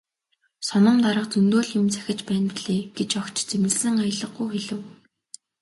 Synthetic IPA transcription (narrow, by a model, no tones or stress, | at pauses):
sɔnə̆mt̪aɾə̆qt͡sɵnt̪oːɮjɪ̆mt͡sʰæ̥xʲɪ̆t͡ɕpæːnpiɮeːɡ̥et͡ɕɔkt͡ɕt͡semɘ̆ɮsɘ̆ŋajə̆ɮə̆ɡujxeɮɘ̆w